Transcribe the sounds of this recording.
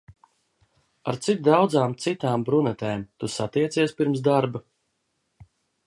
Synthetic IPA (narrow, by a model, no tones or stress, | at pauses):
aɾt̪sit̪̚d̪awd̪zaːmt̪sit̪aːmbɾunɛt̪ɛːmt̪usat̪iɛt̪siɛspiɾmsd̪aɾba